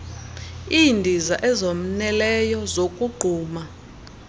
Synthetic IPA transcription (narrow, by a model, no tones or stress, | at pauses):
indʱizaʔɛzom̩nɛlɛjɔzokʼuɡ͡ǃʱuːma